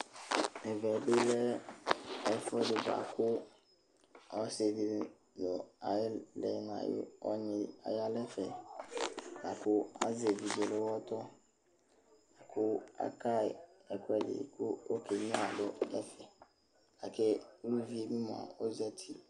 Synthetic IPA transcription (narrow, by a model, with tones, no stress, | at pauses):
ɛ˨vɛ˨bɪ˦lɛ˦ | ɛ˦fɔ˦dɪ˨ba̰˨kʰʊ˦ | ɔ˦se˨di˨ | jɔ˨a˨jɪ˦lɛ˨˦n˨ã̰˨jɪ̰˦ɔ̰˦ɲɪ̃˨a̰˨ja˦lɛ˦fɛ˨ | na˨kʰʊ˦a̰˦ze˨vi˨d͡ʒe˨le˦wɔ˦t̪ɔ˦ | a˨kʰʊ˦a̰˦ka˦˨ɛ˨kʊ˦ɛ˦dɪ̰˨kʰʊ˦o˦kʰe˨ɲĩ˦a˨dʊ˦ɛ˦fɛ˨ | a˨kɛ˦u˦vi˦e˦mĩ˦mã̰˨o˦zɛ˦t̪ʰi˦